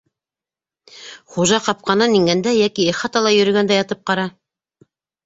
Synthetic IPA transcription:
χuʒɑqɑp̚qɑnɑniŋɡænd̪æjækieχɑt̪ɑlˠɑjɵ̆ɾɵ̆ɡænd̪æjɑt̪ɤp̚qɑɾɑ

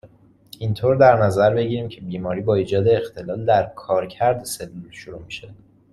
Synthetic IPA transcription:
int̪ʰoːɾd̪æɾnæzæɾbe̞ɟiːɾiːmcʰe̞biːmɒːɾiːbɒːiːd͡ʒɒːd̪e̞ːxt̪ʰe̞lɒːld̪æɾkʰɒːɾcʰæɾd̪ese̞lːulʃoɾuːmiʃe̞

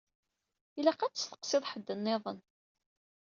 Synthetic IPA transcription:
ilæqat͡sːəsθə̥qsɪðˤħəd̪ːənːɪðˤən

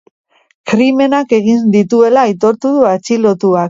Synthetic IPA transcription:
kɾime̞nake̞ɣ̞ind̪it̪ue̞laːjt̪o̞ɾt̪uðuat͡ʃilo̞t̪uak

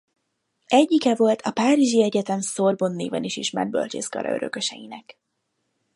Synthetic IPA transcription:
ɛɟːikɛvo̞lt̪ʰɒpaːɾiʒiɛɟɛt̪ɛmso̞rbonːeːvɛniʃiʃmɛ̰d̪̚bø̞̰lt͡ʃeːskɒ̰ɾɒ̰ø̞ɾø̞̰kø̞ʃɛjinɛk

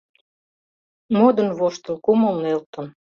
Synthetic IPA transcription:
mod̪ə̆nβoʃt̪ə̆lkuməlnelt̪ə̆n

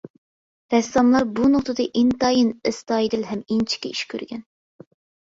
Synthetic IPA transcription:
ɾɛst̪ɑmlˠɑɾbunʊqt̪ɨd̪ɨʔint̪ɑjinɪst̪ɑjd̪ɪlɦɛmint͡ʃʰi̥kʲɛiʃkʲʰø̰ɾɡʲɛn

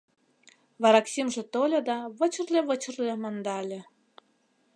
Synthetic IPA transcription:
βɑɾɑksʲimʒĕt̪olʲɤ̆d̪ɑβə̆t͡ɕə̆rlʲĕʋə̆t͡ɕə̆rlʲĕmɤ̆nd̪ɑlʲĕ

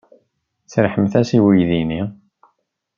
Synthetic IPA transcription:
t͡sɾħəmθæsiwijðini

